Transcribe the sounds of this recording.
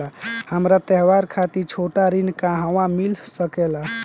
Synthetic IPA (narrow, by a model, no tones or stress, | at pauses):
ahəmɾat̪ɛɦʋaɾkʰat̪iɾt͡ʃʰoʈaɾinkãɦaʋãmilsəkɛla